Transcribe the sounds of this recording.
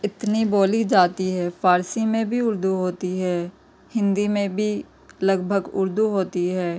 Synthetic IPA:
ɪt̪niboːlid͡ʒaːt̪iɦɛːpʰaːɾsimẽbʱiʊɾd̪uɦoːt̪iɦɛː | hɪ̃nd̪imẽbʱi | ləɡbʱəɡʊ̰ɾd̪uɦoːt̪iɦɛː

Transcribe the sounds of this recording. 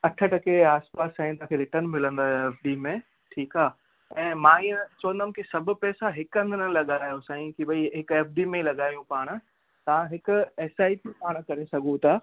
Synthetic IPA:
ɐʈʰə̆ʈɐkeaːspaːsãːĩt̪ãkʰelɪʈən̆mɪlə̃nd̪aeːfɖiːmẽ | ʈʰiːkaː | ɛ̃ːmãːiːə̃t͡ɕoːə̃nd̪əmkʰesɐbʱʊ̆pɛːsaɦɪkə̃nd̪ʱɪnəlɐɠaːjosãːĩkiɓɐiɦɪkeːfɖiːmẽlɐɠaːijũpaːɽ̃̆ | t̪ɐʋãɦɪkʊ̆eːsaːipipaːɽ̃kɐɾesɐɠũt̪aː

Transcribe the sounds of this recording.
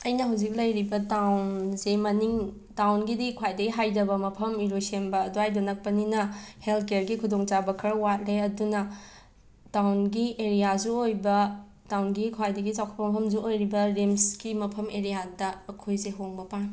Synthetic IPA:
ɐjnɐɦawzik̚lɐjɾibɐtawnsemɐniŋ | tawnɡidikʰwajdɐɡiɦajdɐbɐmɐpʰɐmiɾosembɐːduajdonɐk̚pɐninɐhelt̚ʰkeɾɡikʰudoŋt͡ʃabɐkʰɐɾɐwat̚ɾeɐdunɐ | tawnɡieɾijazuojbɐ | tawnɡikʰwajdɐɡit͡ʃawkʰt̚pɐmɐpʰɐmzuojɾibɐɾemsɡimɐpʰɐmeɾijadɐːkʰojzeɦoŋbɐpaŋ

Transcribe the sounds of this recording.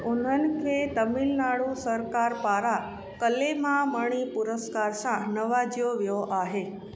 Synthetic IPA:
onənkʰet̪əmilnaɭũsəɾkaɾpaɾa | kəlemãməɳ̃ipʊɾəskaɾsãnəʋad͡ʒjoʋjoʔaɦe

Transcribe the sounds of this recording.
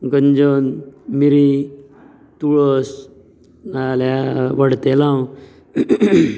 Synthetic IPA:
ɡəɲd͡ʒonmiɾi | t̪uɭɔs | nalaʋəɽt̪elãw

